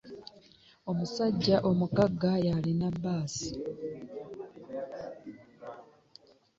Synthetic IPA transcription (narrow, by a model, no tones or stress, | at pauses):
o̞musaɟːaʔo̞mukaɡajalinabːaːsi̥